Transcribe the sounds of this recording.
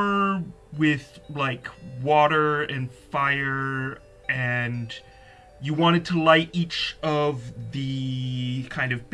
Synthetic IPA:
ə˞ | wɪð̥laɪkwɔɾə˞ɨ̃nfaɪə˞ | ɨ̃n | jɨwɑ̃ɾ̃ɨd̚tʰəlaɪɾit͡ʃʌvðɨ | kʰãɪ̃ndʌvb

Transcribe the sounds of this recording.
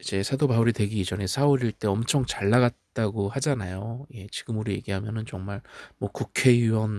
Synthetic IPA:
id͡ʑe̞sʰadobauɾitwe̞ɡiid͡ʑʌne̞sʰauɾiɭt͈e̞ʌmt͡ɕʰʌŋt͡ɕaɭːaɡat̚t͈aɡohad͡ʑanajoje̞t͡ɕiɡɯmuɾoje̞̰ɡiɦamjʌnɯnt͡ɕʌŋmaɭmwʌkukʰe̞jiwʌn

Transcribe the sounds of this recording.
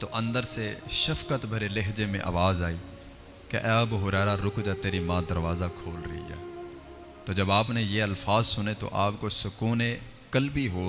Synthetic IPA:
t̪oʔə̃nd̪əɾseʃɐfkət̪bʱəɾelɪɦd͡ʒemḛ̃ʔa̰ːʋaːzaːiː | kḛʔɛːbɦʊɾɛːɾaɾʊkd͡ʒat̪eːɾimãːd̪əɾʋaːzakʰoːlɾɐ̰ɦḭɦɛ̰ː | t̪oːd͡ʒɐbaːpnejeɐlfaːzsʊnet̪o̰ʔaːpkosʊkuːne | kəlbiɦoː

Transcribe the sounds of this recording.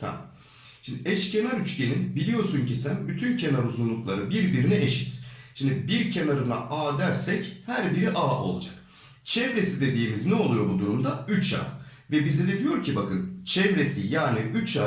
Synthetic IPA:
t̪ʰa̰ | ʃimd̪ʔɛʃcʰe̞naɾyt͡ʃce̞ninbilʲijo̞suncisænbyt̪ʰyncʰe̞naɾuzunlˠuklˠaɾɯbiɾbiɾinɛeʃi̥t̪ʃimd̪ibiɾcʰe̞naɾɯnaʔaːd̪æɾsɛchæɾbiɾiʔaːʔo̞̰lˠad͡ʒak | t͡ʃʰɛvɾe̞sid̪e̞d̪iːmiznɛo̞lˠujo̞bud̪uɾumd̪ayt͡ʃʰa̰ː | vɛbizid̪ʲed̪ijo̞ɾcʰibakɯnt͡ʃʰɛvɾe̞sijaːniʔyt͡ʃaː

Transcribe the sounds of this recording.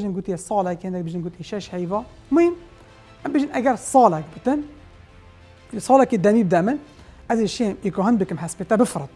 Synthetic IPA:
ʒinɡuːt̪ijesˤɑːlɛkehɨnd̪æk̚bɪʒinɡut̪eʃɛʃhɛjvɑ | mʊjm | ʔæmbɨʒinʔæɡæɾsˤɑːlɛk̚bɨt̪ɨn | sˤɑːlæked̪ænibd̪æmɨn | ʔæzeʃemekoɦɨnd̪bɨkɨmhæspeːt̪æbɨfɾɨt̪̚ˤ

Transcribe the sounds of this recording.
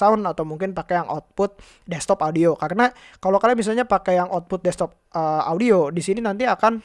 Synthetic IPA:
aʊnat̪awmuŋkɪnpakɛjaŋʔɔt̪̚pʊt̪̚ | dɛst̪ɔpaudiokaɾəna | kalokalamis̬alɲapakɛjaŋʔɔt̪̚pʊt̪̚dɛst̪ɔp̚ʔəaudiodisininant̪iakan

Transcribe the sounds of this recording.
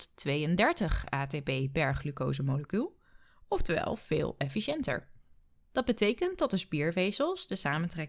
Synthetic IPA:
tʋejəndɛɹtəχaːtebejbɛɹχlyko̰wzəmowləkylˠ | ɔftəʋɛ̰lˠv̥ḛːlˠɛfiʃɛntə̰ɹ | d̥ɑd̚bətejkənt̚dɑt̚dəspiːɹvejsəlˠsdəsaːməntrɛ

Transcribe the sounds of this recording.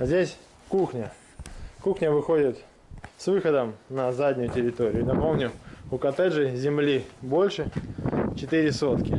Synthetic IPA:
zʲdʲesʲ | kuxnʲə | kuxnʲəvɨxo̞dʲɪt̪ | svɨxəd̪əmnɐzadʲnʲʊjʊtʲɪɾʲɪt̪o̞ɾʲɪʊɪnɐpo̞mnʲʊʊkɐt̪ɛʐɨzʲɪmlʲibo̞lʲʂɨt͡ɕɪt̪ɨɾʲɪso̞t̪kʲɪ

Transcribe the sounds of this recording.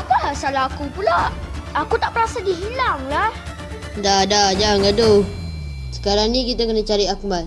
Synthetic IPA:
apasalaɦakupulaakut̪aʔpəɾasadiɦilaŋlah | dadad͡ʒaŋɡado | sə̥kaɾaŋnĩk̬it̪akənat͡ʃaɾiak̚mat̪

